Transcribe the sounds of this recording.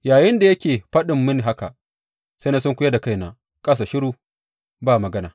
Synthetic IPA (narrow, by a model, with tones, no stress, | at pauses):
jaː˨jɪ˦nda˨jɐ˦kʲeː˨ɸɐ˦ɗɪ˨mːɪ˦n˨ɦa˦ka˨ | sa˦jna˦sʊ˦ŋkʷʊ˦ja˦da˨ka˦jnaː˦ | kʼa˦s̬aː˨ʃɪ˦ɽuː˨ | baː˦˨mɐ˨ɡɐ˦naː˨